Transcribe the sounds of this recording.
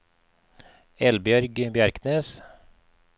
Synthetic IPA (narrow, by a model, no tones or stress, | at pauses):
ɛlbjœɾɡbjæɾkneːs